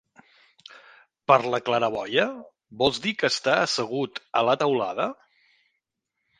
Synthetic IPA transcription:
pəɾləkləɾəβɔjə | bɔlˠzd̪ikəːst̪aəsəɣut̪ələt̪əwla̰ðə

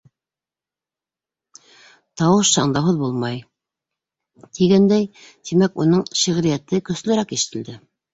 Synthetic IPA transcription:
t̪ɑwɤʃsɑɴd̪ɑwɦɤðbulˠmɑj | t̪ʰiɡænd̪æjt̪imækunɤɴʃiʁɾijæt̪ɘkɵ̆slɘ̆ɾækiʃɘ̥̆t̪ɘ̆ld̪ɘ

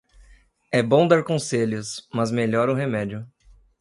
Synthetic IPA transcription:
ɛbõw̃d̪aɾkõseʎʊsmɐzmeʎɔɾʊɦemɛd͡ʒʊ

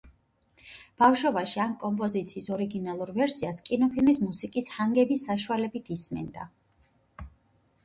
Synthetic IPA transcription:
b̥afʃwɔbaʃiamkʼɔmpʼɔzit̪sʰiːsɔɾiɡinalˠuɾvɛɾsiaskʼinɔpʰilmismusikʼishaŋɡɛbisːaʃualɛbit̪ʰismɛ̰nd̪a̰

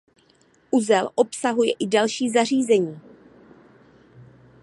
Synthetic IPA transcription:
ʔuzɛlʔo̞psaɦujɛʔɪdalʃiːzar̝iːzɛɲiː

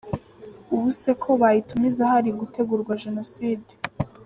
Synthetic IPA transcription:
uβuse̞kʰoβajitumizahaɾiɡutʰe̞ɡuɾɡwaʒe̞no̞siːde

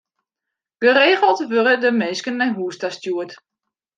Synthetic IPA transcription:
ɡ̥əreːxəlˠtʋøɾədəmeːskənːɛjɦuəstastjuət

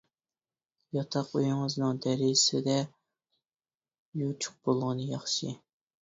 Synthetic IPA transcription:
jɑt̪ʰɑqujŋəznɨŋd̪ɛɾɪsɪd̪ɛ | jut͡ʃʰʊ̥q̚b̥olˠʁɨnɨjɑχʃɨ

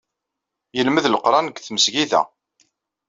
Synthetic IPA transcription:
jəlməðləqɾˤɑnəɡθməsʝiðæ̰

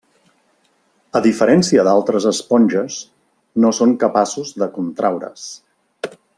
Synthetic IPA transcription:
əðifəɾɛnsiəðalˠt̪ɾəzəspɔnʲʒəz | nosoŋkəpasuzðəkunt̪ɾawɾə̰s

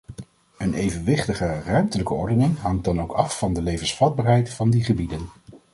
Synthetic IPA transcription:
ənejvənʋɪχtəχərœɥmtələkəɔɹdənɪŋɦɑŋ̚dɑnowkɑfːɑndəlejvənsfɑd̚baːɹɦɛjtfɑndiχəbidən

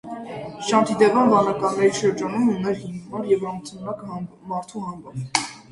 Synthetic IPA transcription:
ʃɑnt̪ʰid̪ɛvɑnvɑnɑkɑnːɛɾiʃəɾd͡ʒɑnumunɛɾhimmɑɾjɛvɑmt̪ʰunɾɑk | mɑɾt̪ʰuhɑŋɡɑmʰ

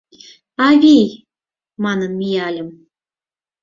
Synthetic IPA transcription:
ɑβʲij | mɑnənmʲiɑlʲə̆m

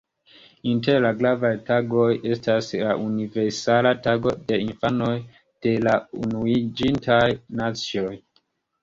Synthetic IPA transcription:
inte̞ɾlaɡɾavajtaɡo̞je̞staslaʔunive̞ɾsalataɡo̞de̞infano̞j | d̥e̞launuid͡ʒintʰajnat͡sio̞j

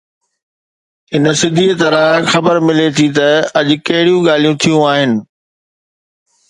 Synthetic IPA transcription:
ɪnəsɪd̪ʱit̪ɐɾaːxɐbəɾmɪlet̪ʰit̪ɐɐʄʊ̆kɐɦɪɽijũɠaːl̤ijũt̪ʰijũaːɦɪnɪ̆

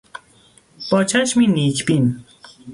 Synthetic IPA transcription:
pɔt͡ʃaʃmɪnit͡ʃpɪn

